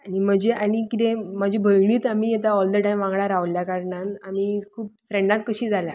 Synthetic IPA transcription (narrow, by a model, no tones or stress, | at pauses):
aɽim̤əd͡ʑeʔaɽ̃ikit̪ẽməd͡ʑʱibʱəjɳiːt̪amiːjet̪aɔld̪əʈajmʋãŋɡɭaɾaʋljakaɾɳanamiːkʰuːp̚fɾeɳɖãt̪̚kəɕiːd͡zʱala